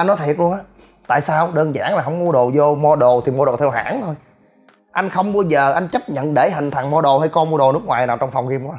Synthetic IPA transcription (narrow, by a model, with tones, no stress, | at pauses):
ʔa˧jnɔ˨˦t̪ʰi˨˩t̚lu˧ənʔaː˨˦ | t̪a̰ː˧˨jsaː˧wɗəː˧nza̰ː˧˥ŋlaː˨˩ɦə˧˩wŋ͡mmu˧əɗo̰˨˩zo˧mɔ˧ɗo̰˨˩˨t̪ʰi˨˩mo˧ɗo̰˨˩t̪ʰɛ˧wha̰ː˧˥nt̪ʰo˧j | ʔa˧jŋ̟xə˧wŋ͡mɓaː˧wzəː˨˩ʔa˧jŋ̟t͡ɕə˦˥p̚ɲə̰˧˨nɗe˧˩ɦï˨˩ŋ̟t̪ʰa˨˩ŋmɔ˧ɗo̰˨˩ha˧jkɔ˧mu˧əɗo˨˩nɨ˦˥k̚ŋwaː˨˩jnaː˨˩wt͡ɕɔ˧wŋ͡mfɔ˨˩wŋ͡mki˧mk